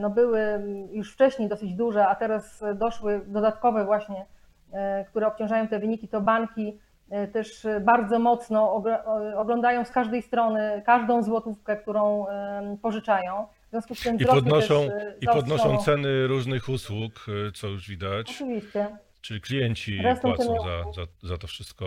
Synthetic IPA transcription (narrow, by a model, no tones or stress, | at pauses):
nɔbɘwɘjuʂft͡ʂɛɕɲejd̪ɔsɘd͡ʑd̪uʐɛat̪ɛɾasd̪ɔʂwɘd̪ɔd̪at̪kɔvɛvwaɕɲɛ | kt̪uɾɛɔp̚t͡ɕɔ̃w̃ʐajɔ̃w̃t̪ɛvɘɲikʲit̪ɔbaŋkʲi | t̪ɛʂbaɾd̪zɔmɔt̪snɔɡɔɡlɔnd̪ajɔ̃w̃skaʐd̪ɛjst̪ɾɔnɘkaʐd̪ɔ̃w̃zwɔt̪ufkɛk̚t̪uɾɔ̃w̃pɔʐɘt͡ʂajɔ̃w̃vzʲjɔ̃skust̪ɘmziɾɔpɔd̪nɔʂɔ̃w̃iɔpɔd̪nɔʃɔ̃w̃tsɛnɘɾuʐnɘxuswukt̪sɔjuʐvʲid̪at͡ɕɔɨvʲist͡ɕɛ | t͡ʂɘlʲiklʲijɛɲt͡ɕiɾɛst̪ɔɛzazazat̪ɔfʂɘst̪̚kɔ